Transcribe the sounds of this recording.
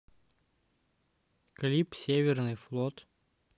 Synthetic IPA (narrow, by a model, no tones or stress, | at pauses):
kɐlʲipsʲevʲɪɾnɨjflˠɔt̪